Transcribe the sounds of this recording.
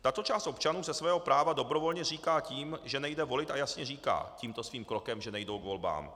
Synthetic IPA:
t̪at̪o̞t͡ʃaːst̪o̞pt͡ʃanuːzɛsvɛːɦo̞pɾaːvado̞bɾo̞vo̞lɲɛr̝iːkaːciːmʒɛnɛjdɛvo̞lɪt̪ajasɲɛriːka̰ːciːmt̪o̞sviːmkɾo̞kɛmʒɛnɛjdo̞wɡvo̞lba̰ːm

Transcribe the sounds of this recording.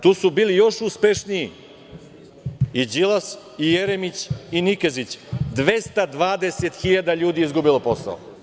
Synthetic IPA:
t̪uːsubiːlijo̞ʃuspeʃnii | id͡ʑilˠas | ijeɾemit͡ɕinikezit͡ɕd̪ʋest̪ad̪ʋaːd̪eset̪xiʎad̪aʎuːd̪iizɡubilopo̞sa̰o̰

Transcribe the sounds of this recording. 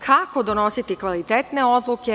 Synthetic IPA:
kʰako̞d̪ono̞sit̪ikʋalit̪et̪ne̞o̞d̪lˠuke

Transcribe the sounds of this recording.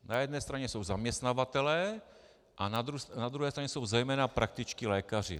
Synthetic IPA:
najɛdnɛːst̪ɾaɲɛsowzamɲɛst̪navat̪ɛlɛː | ʔanaunad̪ɾuɦɛːst̪ɾaɲɛso̞wzɛjmɛːnapɾak̚t̪ɪt͡ʃkɪlɛːkar̝ɪ̰

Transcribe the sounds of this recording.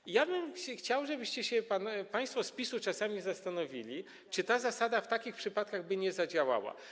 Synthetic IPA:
jabɘmɛxt͡ɕawʐɛbɘɕt͡ɕɛɕɛpanpaj̃st̪fɔspʲisut͡ʂasamʲizast̪anɔvʲilʲi | t͡ʂɘt̪azasad̪aft̪akʲixpʂɘpat̪̚kaɣbɘɲɛzad͡ʑawa̰wa̰

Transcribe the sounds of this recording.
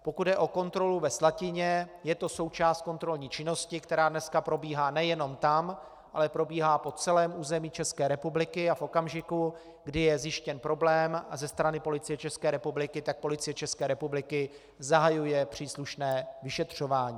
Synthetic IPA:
po̞kud̚dɛʔo̞ko̞nt̪ɾo̞luvɛslacɪɲɛjɛt̪o̞so̞wt͡ʃaːst̪̚ko̞nt̪ɾo̞lɲiːt͡ʃɪno̞scɪkt̪ɛɾaːdnɛskapɾo̞biːɦaːnɛjɛno̞mt̪am | ʔalɛpɾo̞biːɦaːpo̞t͡sɛlɛːmʔuːzɛmiːt͡ʃɛskɛːɾɛpublɪkɪafʔo̞kamʒɪku | ɡdɪjɛzjɪʃcɛnpɾo̞blɛːmazɛst̪ɾanɪpo̞lɪt͡sɪjɛt͡ʃɛskɛːɾɛpublɪkɪt̪ak̚po̞lɪt͡sɪjɛt͡ʃɛskɛːɾɛpublɪkɪ | zaɦajujɛpr̝̥iːsluʃnɛːvɪʃɛt̪r̝̥o̞vaːɲiː

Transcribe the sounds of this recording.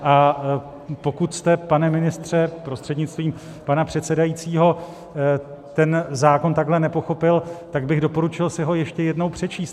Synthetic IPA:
ʔa | po̞kut̪st̪ɛpanɛmɪnɪst̪r̝̥ɛpɾo̞st̪r̝̥ɛdɲɪt͡st̪viːm | panapr̥ɛt̪sɛdajiːt͡siːɦo̞ | t̪ɛnzaːko̞nt̪aɡɦlɛnɛpoxo̞pɪlt̪aɡbɪɣdo̞po̞ɾut͡ʃɪlsɪɦo̞jɛʃcɛjɛdno̞wpr̝̥ɛt͡ʃiːst̪

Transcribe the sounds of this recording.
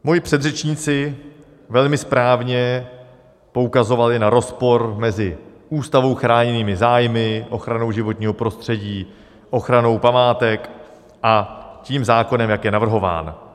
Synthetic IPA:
mo̞jɪpr̝̥ɛd̪rɛt͡ʃɲiːt͡sɪ | vɛlmɪspɾaːvɲɛ | po̞ukazo̞valɪnaɾo̞spo̞ɾmɛzɪ | ʔuːst̪avowxɾaːɲɛniːmɪzaːjmɪʔo̞xɾano̞wʒɪvo̞t̪ɲiːɦopɾo̞st̪r̝̥ɛɟiː | ʔo̞xɾano̞wpamaːt̪ɛk | ʔaciːmzaːko̞nɛmjakjɛnavr̩ɦo̞va̰ːn

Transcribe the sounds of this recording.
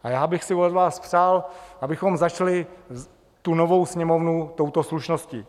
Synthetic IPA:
ʔajaːbɪxsɪod̪vaːspr̥aːlʔabɪxo̞mzat͡ʃlɪ | t̪unovo̞wsɲɛmo̞vnut̪o̞wt̪o̞sluʃnosciː

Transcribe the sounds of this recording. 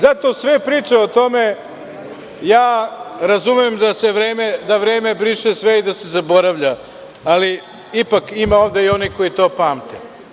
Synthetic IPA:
zat̪o̞sʋepɾiːt͡ʃeot̪o̞me̞ | jaːɾazumiemd̪aseʋɾeːmed̪aʋɾeːme̞bɾiʃesʋeid̪ase̞zabo̞ɾaʋʎa | ali | ipakimao̞ːvd̪e̞io̞niko̞jit̪o̞ːpaːmt̪e

